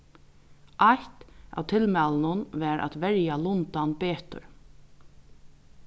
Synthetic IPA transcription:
ʔajht̪a̰wt̪ʰɪlmɛːlənʊnʋæːɾʔa̰t̪ʋɛɹjalʊnt̪anpeːt̪ə̰ɹ

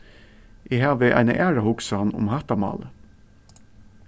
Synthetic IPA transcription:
ʔɪhaːʋəʔa̰jnə̰ʔæːɹahʊksanʊ̰mɦat̪amɑ̰ːlə

